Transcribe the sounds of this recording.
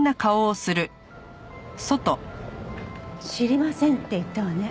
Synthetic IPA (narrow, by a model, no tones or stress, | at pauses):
nakao̞ːsɨɾɯ̟ | so̞t̪o̞ | ɕiɾʲimasẽnt̪ːeit̪ːeβane